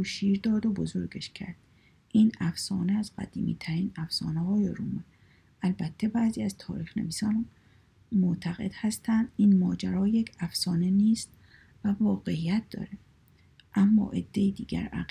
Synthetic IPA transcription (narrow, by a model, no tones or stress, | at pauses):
uʃiːɾd̪ɒːd̪obozoɾɡeʃcʰæ̰ɾd̪̥ | ʔiːnæfsɒːneæzɢæ̰d̪ḭːmḭːt̪ʰæɾiːnæfsɒ̰ːneɦɒːjeɾuːmi | ælbæt̪ʰːe̞bæːziːæzt̪ʰɒːɾiːxne̞̰viːsɒːn | mot̪ʰæɣe̞d̪hæst̪ʰænd̪̥iːnmɒːd͡ʒæɾɒːje̞cʰæfsɒːneniːst̪ | vævɒːɣe̞ijæt̪̚d̪̥ɒ̰ːɾe | ʔæmːɒ̰ːʔed̪̥ːe̞jid̪iːɡæ̰ɾæ̰